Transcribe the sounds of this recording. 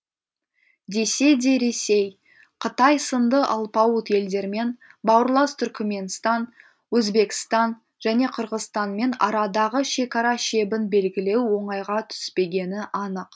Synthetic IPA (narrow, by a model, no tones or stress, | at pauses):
d̪e̞se̞d̪e̞ɾe̞sej | qʰət̪ɑjsənd̪əʔɑlˠpɑwət̪je̞ld̪e̞ɾme̞nbɑwəɾlˠɑst̪ʰʏɾkʲɪme̞nst̪ɑn | wɵzbe̞kʲɪ̥st̪ɑn | ʒ̥æne̞qʰəɾʁəzst̪ɑnme̞nɑɾɑd̪ɑʁəʃe̞kɑɾɑʃe̞bɪnbe̞lɡʲɪle̞wwo̞ɴɑjʁɑt̪ʰʏ̥spe̞ɡʲe̞nɪʔɑnəq